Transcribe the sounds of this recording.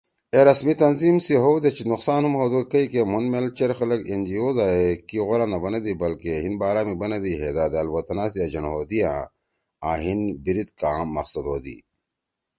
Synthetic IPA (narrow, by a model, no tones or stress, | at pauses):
eɾɐsmit̪ɐnziːmsiɦoːd̪et͡ʃinuqsaːnhumhoːd̪ukɐikemunmelt͡ʃɐɾxɐlɐkend͡ʒioːzaːekiɣoɾanɐbɐnɐd̪ibɐlkeɦinbaːɾaːmibɐnɐd̪iːɦeːd̪aːd̪aːlwɐt̪ɐnaːsiad͡ʑɐnɦoːd̪ijãː | a̰ːɦinbiɾit̪̚kaːmːɐqsɐd̪ɦoːd̪ḭː